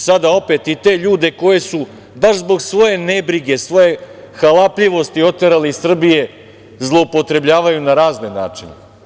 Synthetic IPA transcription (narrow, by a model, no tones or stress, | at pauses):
sad̪ao̞pe̞t̪it̪e̞ʎuːd̪e̞ko̞je̞su | baʃzbo̞ɡsʋo̞je̞ne̞bɾiɡe̞sʋo̞je̞ | xalapʎiʋo̞st̪io̞t̪eɾaleisr̩bije̞ | zlˠoupo̞t̪ɾe̞bʎʲaːʋajunaɾaːznena̰ːt͡ʂinḛ